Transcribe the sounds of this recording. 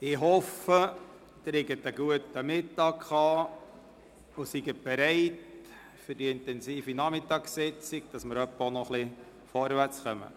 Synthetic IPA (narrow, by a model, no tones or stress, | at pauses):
ɪɦɔfə | t̪ɾɪɡət̪əɡ̥uətəmɪtɑkχɑː | usiɡəb̥ɛɾɛɪt | fʏɾdiɪntɛnsiːfinɑmɪtɑːkssɪt͡siɡd̥ɑsməɾœpːəonɔχli | fɔɾʋært͡sχœmə̰